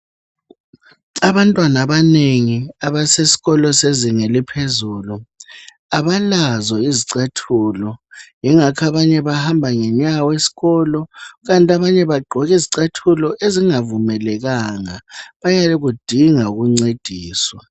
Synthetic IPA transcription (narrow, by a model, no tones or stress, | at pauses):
aβantʼwanaβaneŋiaβasesi̥ɣɔlɔseziŋelipʰezuːlu | aβalazɔiziǀetʰulɔjɛŋakʰaβaɲɛβahambʱaŋɛɲawesi̥ɣɔːlɔɣantʼaβaɲɛβaɡ͡ǃʱɔɣiziǀetʰulɔʔeziŋavumɛlɛɣaŋaβajalɛɣud̥ʱiŋauɣuŋ͡ǀed̥ʱiːswa